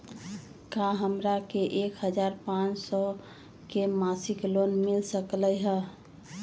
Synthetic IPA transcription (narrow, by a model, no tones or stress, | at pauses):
kaɦəmɾakeʔekɦəd͡ʒaɾpãt͡ʃsɔ | kemasiklonmilsəkləjɦə